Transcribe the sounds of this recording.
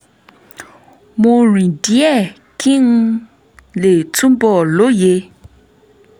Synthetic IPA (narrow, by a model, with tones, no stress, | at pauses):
mo˥˨ɹi˩˨di˩˨ɛ˥˨ | kʰi˥ŋ | leː˩˨t͡sʰu˥mpɔ˩˨lo˩˨je˩˨